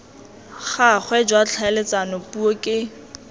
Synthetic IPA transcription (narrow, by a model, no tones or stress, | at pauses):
χaχwɛd͡ʒwat͡ɬʰaɛlet͡sanopuokʼɪ